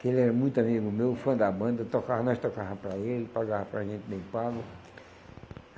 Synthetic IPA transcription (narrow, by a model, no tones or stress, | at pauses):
kelɛɾɐmũj̃t̪ʊamiɡʊmewfɐ̃d̪abɐ̃nd̪ɐt̪okaɦnɔst̪okaɦɐpɾɐelɪpaɡaɦɐpɾaʒẽnt̪ɪd̪ẽjpaɡʊ